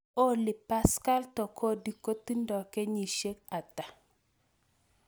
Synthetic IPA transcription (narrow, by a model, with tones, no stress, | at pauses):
o˦lɪ˨pa˦ska˦ltɔ˨kʰo˦di˨ko˦t̪i˦ndɔ˨kɛ˦ɲi˨ʃe˦k̚a˨ta˨